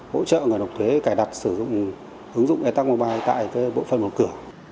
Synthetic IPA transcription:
ho̰˧˥t͡ɕə̰ː˧˨ŋɨ˨˩nə˨˩k͡p̚t̪ʰwe˨˦kaː˧˩jɗa˨˩t̚sɨ˧˩zʊ̰˧˨ŋ͡m | ʔɨ˨˦ŋzʊ̰˧˨ŋ͡mʔɛ˧˩t̪a˦˥k̚maː˧wɓaː˧jt̪a̰ː˧˨jkaː˨˦jɓo̰˧˨fə̰˧˨nmo˨˩t̚kɨ˧˩ə

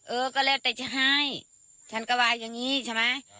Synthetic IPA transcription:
ʔɤː˧˩kɔː˧˩lɛː˧˩wt̪ɛ˨˧˩t͡ɕʰa˧ɦa˧˥j | t͡ɕʰa˦˥nkɔː˧˩waː˧˩jːa˧ŋːiː˦˥t͡ɕʰa˧˩ma˦˥j

